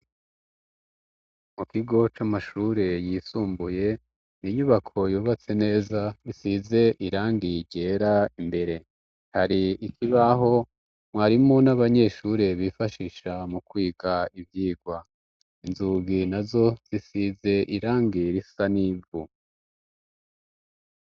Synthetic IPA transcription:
mukiɡo̞t͡ʃamaʃuɾe̞jiːsuːmbuje̞ | niɲuβakʰo̞juːβat͡se̞ne̞ːzaβisize̞ʔiɾaːŋɡiɟe̞ɾaimbe̞ɾe̞ | haɾiikʰiβaɦo̞ | mwaːɾimo̞naβaɲe̞ʃuɾe̞βifaʃiʃamukwiːɡaivjiːɡwa | inzuɡinazo̞z̥isize̞ʔiɾaːŋɡiɾisanivu

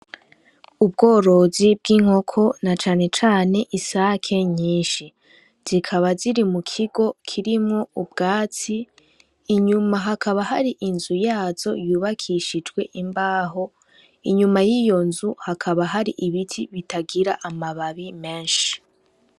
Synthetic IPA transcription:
ub̚ɡo̞ːɾo̞zib̚ɡiːŋ̥ho̞kʰo̞nat͡ʃaːne̞t͡ʃaːne̞ʔisakʰe̞ɲiːnʃi | z̥ikʰaβaziɾimukʰiɡo̞kʰiɾimŋo̞ub̚ɡaːt͡siː | ɲumaɦakʰaβaɦaɾiʔinzujaːz̥o̞̰juːβakʰiʃid͡ʒɡwe̞ʔimbaːɦo̞ | iɲumajiːjo̞nzuhakʰaβaɦaɾiʔiβitʰiβitaɡiɾaʔamaβaβime̞ːnʃi̥

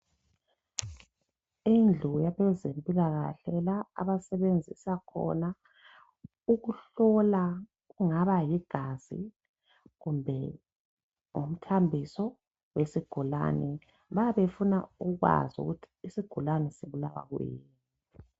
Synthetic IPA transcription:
ind͡ɮʱujaβɛzempʼiɣaɣa̰ɬɛlaa̰βasɛβend͡zʱisakʰɔ̰na | uɣuɬɔla | ɣuŋaβajiɡ̥ʱaz̥ḭ | ɣumbʱɛ | ŋum̩tʰambʱisɔ | wesiɡ̥ʱula̰nɛ | βajaβefunauɣwa̰zṵɣutʰi̥ːsiɡ̥ʱulanɛsiβulawa̰ɣṵjḭːnn | ii

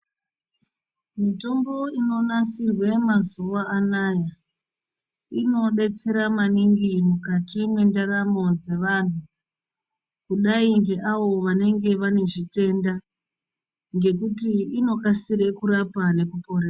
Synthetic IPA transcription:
mito̞mbo̞ino̞nasirwe̞mazuʋaːnaːja | ino̞ɗe̞t͡se̞ɾamaniŋɡimukatimwe̞ndaɾamo̞d͡ze̞ʋan̤u | kuɗaiŋɡe̞ʔaʋo̞ʋane̞ŋɡe̞ʋane̞ʐite̞nda | ŋɡe̞kutiino̞kasiɾe̞kuɾapane̞kupo̞reːra

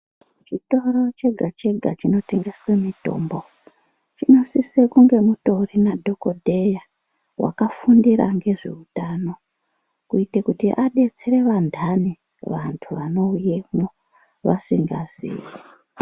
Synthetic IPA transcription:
t͡ʃito̞ro̞t͡ʃe̞ɡʱat͡ʃe̞ɡʱat͡ʃino̞te̞ŋɡe̞swemito̞̰mbo̞ | t͡ʃino̞sisekuŋɡe̞muto̞rinadʱo̞ko̞dʱe̞ja | wʔa̰kafundiɾa̰ŋɡe̞ʐḛutano̞ | kuitekutiʔaɗe̞t͡seɾe̞ʋandʱani | ʋantʰuʋano̞uje̞mo | ʋa̰siŋɡazḭːji

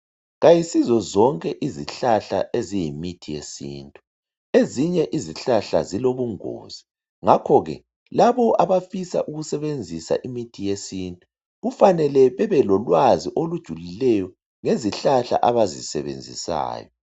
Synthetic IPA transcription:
ɣajisizɔzɔŋkʼɛʔiziɬaɬa̰ʔezijimitʰijesḭːntʼu | eziɲɛʔiziɬaɬa̰ziloβuŋo̰ːz̥i | ŋakʰɔɣɛ̰ | laβɔʔaβafisa̰ʔuɣusɛβend͡zʱisa̰ʔimitʰijesiːntʼu | ɣufanɛlɛβɛβɛlɔlwaziʔolud̥ʒ̥ʱulilɛjɔ | ŋeziɬaɬa̰ʔaβazisɛ̰βḛnd͡zʱḭsa̰ːjɔ

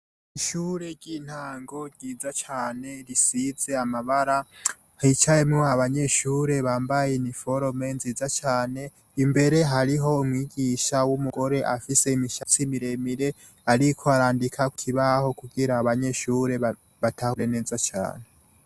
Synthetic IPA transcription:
iʃuːɾe̞ɾɟiːn̥haːŋɡo̞ɾɟiːzat͡ʃaːne̞ɾisize̞amaβaɾa | hit͡ʃajemŋoaβaɲe̞ʃuːɾe̞βaːmbajenifo̞ɾome̞nziːzat͡ʃaːne̞ | imbe̞ɾe̞ɦaɾiɦo̞umŋiːɡiʃawumuɡo̞ɾe̞ʔafise̞imiʃat͡simiɾe̞miɾe̞ | aɾikʰo̞aɾaːndikʰaku̥kʰiβaho̞kuɡiɾaːβaɲe̞ʃuɾe̞ | βatʰahuɾene̞ːzat͡ʃa̰ːne̞

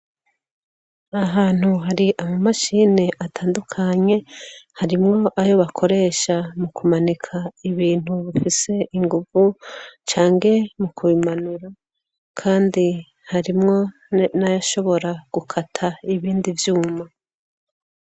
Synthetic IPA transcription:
aɦaːn̥huɦaɾiʔamumaʃiːneʔatʰaːndukʰaɲe̞haɾimŋo̞ʔajo̞βakʰo̞ɾe̞ːʃamukumanikʰaiβiːn̥huβifise̞ʔiŋɡuvut͡ʃaːŋɡe̞mukʰuβimanuɾa | kʰaːndi | haɾimŋo̞ | najaʃo̞βo̞ɾaɡ̥ukʰatʰaiβiːndivjuːma

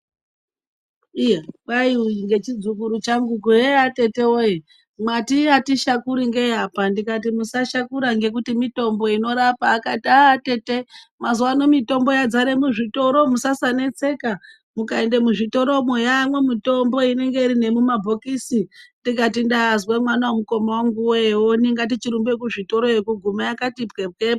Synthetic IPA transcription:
ijawaiwiŋɡe̞t͡ʃid͡zukuɾut͡ʃaŋɡukuɦeate̞te̞oi | mwatiatiʃakuɾiŋɡeapandikat̬imusaʃakuɾaŋɡe̞k̬utimito̞mbo̞ino̞ɾapaːkatiate̞te̞mazuwano̞mito̞mbo̞jad͡zaɾe̞muʐito̞ɾo̞musasane̞t͡se̞ka | mukae̞ndemuʐito̞ɾo̞mejamwemito̞mbo̞ine̞ŋɡe̞iɾine̞mumabʱokisindikatindazwemwanawomuko̞mawaŋɡuwewoniŋɡat̬it͡ʃiɾumbe̞k̬uʐito̞ɾoekuɡʱumajakatipkebke

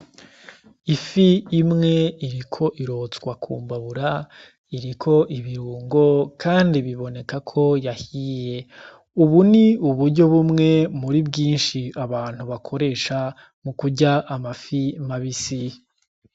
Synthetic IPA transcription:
ifiːmŋe̞iɾikʰo̞ʔiɾo̞hot͡skwakʰṵːmbaβuɾa | iɾikʰo̞ʔiβiɾuːŋɡo̞kʰaːndiβiβo̞ne̞kakʰo̞jahiːje̞ | uβuniuβuɾɟo̞βumŋe̞muɾibɡiːnʃiaβaːn̥huβakʰo̞ɾe̞ːʃa | mukuɟaʔːmafimaβisi

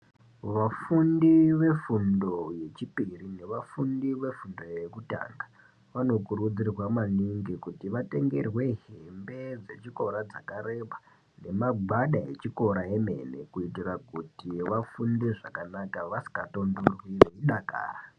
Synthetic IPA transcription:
ʋafundiʋe̞fundo̞je̞t͡ʃipirine̞ʋafundiʋe̞fundo̞je̞kuta̰ːŋɡa | ʋano̞kuɾud͡zirwamaniŋɡikutiʋate̞ŋɡe̞̰rwe̞ɦembe̞d͡ze̞t͡ʃiko̞ɾad͡zakaɾe̞ɓa | ne̞maɡ͡bʱwaɗae̞̰t͡ʃiko̞ɾae̞me̞̰ne̞̰kuitirakutiʋafundiʐakanakaʋasi̥kato̞ndurwiʋeiɗaka̰ːra

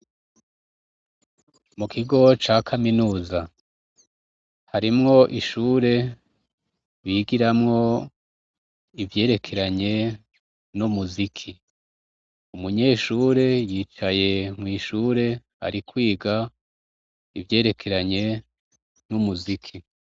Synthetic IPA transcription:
mukʰiɡo̞t͡ʃaːkʰaminuːza | haɾimŋo̞ʔiʃuːɾe̞ | βiːɡiɾamŋo̞ | ivje̞ːɾe̞kʰe̞ɾaɲe̞ | numuzikʰi | umuɲe̞ːʃuːɾe̞jiːt͡ʃaje̞mwiːʃuːɾe̞ | a̰ɾikwiːɡa | ivje̞ːɾe̞kʰe̞ɾaɲe̞ | numuzikʰi

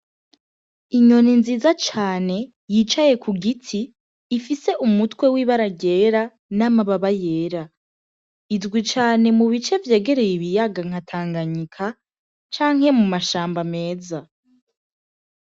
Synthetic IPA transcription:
iɲo̞ninziːzat͡ʃaːne̞ | jiːt͡ʃaje̞kʰuɡitʰiː | fise̞ʔumutwe̞wiːβaɾaɟe̞ːɾa | namaβaβaje̞ːɾa | idɡwit͡ʃaːne̞muβit͡ʃe̞vje̞ːɡe̞ɾe̞jiβijaɡaŋ̥hatʰaːŋɡaɲikʰa | t͡ʃaːŋhe̞mumaʃaːmbame̞ːza

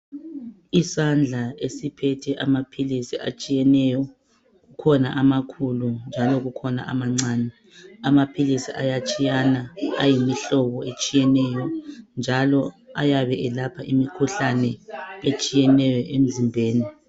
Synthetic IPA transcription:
isand͡ɮʱaesipʰɛtʰɛʔamapʰilisia̰t͡ʃʼijɛnɛjɔ | ɣukʰɔnaʔamakʰulund͡ʒʱalɔɣukʰɔna̰ʔamaŋ͡ǀaːnɛ | amapʰilisiʔajat͡ʃʼijanaa̰jimiɬɔβɔet͡ʃʼijɛnɛjɔnd͡ʒʱalɔajaβɛʔɛlapʰaʔimikʰuɬanɛet͡ʃʼijɛnɛjɔʔem̩zimbʱeːni

